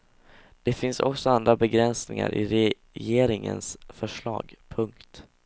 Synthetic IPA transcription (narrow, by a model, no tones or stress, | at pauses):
d̪̥ɛfɪnsɔksɔand̪ɾabɛɡɾɛnsnɪŋa̰ɾʔɪɾɛ | jeːɾɪŋə̰nsfœʂɭɑːɡpʰɵŋkt̪